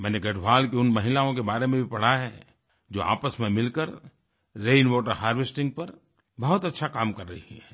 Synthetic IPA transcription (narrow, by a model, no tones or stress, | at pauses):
mɛ̃ːneɡɐʈʋaːlkeʊnmɐɦɪlaõk̬ebaːɾemẽbʱipɐɽ̤aɦɛ̰ː | d͡ʒoːa̰ːpəsmẽmɪlkəɾ | ɾeːnʋɔːʈəɾɦaːɾʋɪsʈɪ̃ŋɡ̚pɐɾ | bɐɦʊt̪ɐtːʃʰakaːmkɐɾːɐɦiɦɛ̃ː